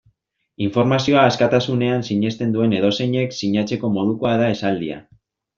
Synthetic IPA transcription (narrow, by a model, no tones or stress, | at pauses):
iɱfo̞ɾmasio̞aːskat̪asune̞ansiɲe̞st̪e̞nd̪ue̞ne̞ð̞o̞se̞ɲe̞ksiɲat͡se̞ko̞mo̞ð̞ukoaðae̞sald̪ia̰